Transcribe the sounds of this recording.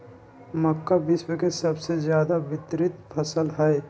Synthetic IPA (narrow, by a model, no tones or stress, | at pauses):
məkːabɪswəkesəbsezjaːd̪abɪt̪ɾɪt̪pʰəsəlɦɛɛ